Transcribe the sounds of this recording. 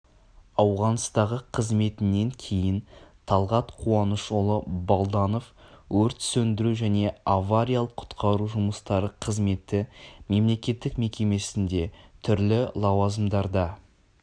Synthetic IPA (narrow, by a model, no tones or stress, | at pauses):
ɑwʁɑnst̪ɑʁəqʰəzme̞t̪ɪnːe̞ŋkʲʰe̞jɪnt̪ʰɑlˠʁɑt̪qʰuɑnəʃolˠəbolˠd̪ɑno̞fwɵɾt̪sɵnd̪ɪɾuʒæne̞avaɾʲijalˠəqʰʊ̥t̪qʰɑɾuʒʊməst̪ɑɾəqʰəzme̞t̪ɪme̞mle̞kʲe̞t̪ːɪkme̞kʲe̞me̞sɪnd̪e̞t̪ʰʏɾlɪlˠɑwɑzəmd̪ɑɾd̪ɑ